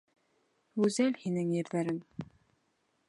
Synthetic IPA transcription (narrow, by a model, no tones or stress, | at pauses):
ʉzælhinɘŋjɘ̆ɾðæɾɘŋ